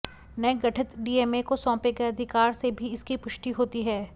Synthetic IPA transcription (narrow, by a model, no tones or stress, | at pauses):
nɐeɡɐʈʰət̪ɖiːeːmekosɔ̃ːpeɡəeɐd̪ʱɪkaːɾsebʱiɪskipʊʃʈiɦoːt̪iɦɛː